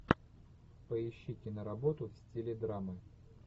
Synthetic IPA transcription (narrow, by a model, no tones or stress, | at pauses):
pəɪɕːitʲɪnəɾɐbot̪ʊfsʲtʲilʲɪd̪ɾamɨ